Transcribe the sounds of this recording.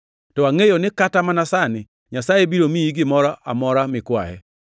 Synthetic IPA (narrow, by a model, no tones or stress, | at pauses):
tɔaŋejonɪkatamanasanɪ | ɲasajebiɾomiiɡɪmɔɾɔʔa̰mɔɾamɪkwa̰jɛ̰